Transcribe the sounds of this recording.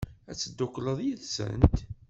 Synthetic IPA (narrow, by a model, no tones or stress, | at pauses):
æt͡sːəd̪ːʊkləðˤjiðsə̰nt̪